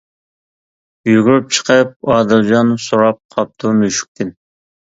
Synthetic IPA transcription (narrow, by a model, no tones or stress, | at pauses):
yɡuɾyp̚t͡ʃʰə̥qʰəp̚ɑːd̪ɨlˠd͡ʒɑnːusuɾɑp̚qʰɑp̚t̪ʰumyʃy̥k̚ʲt̪ʰɪn